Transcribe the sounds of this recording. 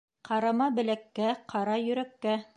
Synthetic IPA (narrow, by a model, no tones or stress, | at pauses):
qɑɾɑmɑbɘ̆lækːæqʰɑɾɑjɵ̆ɾækːæ